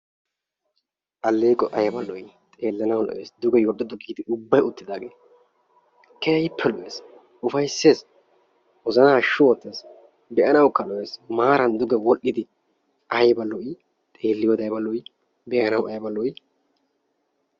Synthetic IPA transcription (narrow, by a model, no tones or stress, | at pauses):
ʔɐlːeːkʼɔʔɐjɐbɐlːɔjɪ | t̪ʼe̞ːlːɐnɐwlɔ̰ʔḛːsd̪ʊɡɛjɔɗːɔd̪ʊɡiːd̪ɪʔʊbːɐjʊt̪ːɪd̪aːɡeː | kɛjɐjpʰːɛlɔʔeːs | ʊfɐjsːe̞ːs | wɔzɐnaʃːʊwɔt̪ːeːs | bɛʔɐnɐwkːɐlɔʔe̞ːsmaːɾɐnd̪ʊɡɛwɔlʔɪd̪ɪ | ʔɐjbɐlːɔɪ | t̪ʼe̞ːlːɪjod̪ɐjbɐlːɔj | bɛʔɐnɐwɐjɐbɐlːɔj